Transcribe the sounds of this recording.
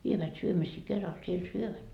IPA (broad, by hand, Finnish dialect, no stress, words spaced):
ʋieʋæt syømisiː kerɑl siel syøʋæt